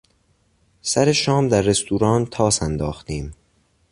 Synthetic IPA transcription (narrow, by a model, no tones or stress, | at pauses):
sæɾe̞ʃɒːmd̪æɾːe̞st̪ʰuːɾɒːnt̪ʰɒːsænd̪ɒːxt̪iːm